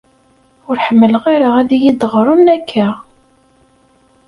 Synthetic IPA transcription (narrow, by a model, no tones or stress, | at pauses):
ʊɾħəmːələʁiɾaæðijid̪ʁɾˤunækʰːa